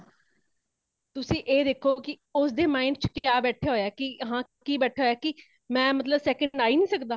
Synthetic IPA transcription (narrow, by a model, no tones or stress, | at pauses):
t̪ʊsĩːʔeːd̪eːkʰːoːkɪ | ʊsd̪eːmaːɪɳɖt͡ʃkjaːbɛːʈʰeːɦoːjaːkɪɦãː | kiːbɛːʈʰaːɦoːjaːkɪ | mɛ̃ːmət̪ləbsɛːkə̃ɖaːiːnĩːsəkd̪aː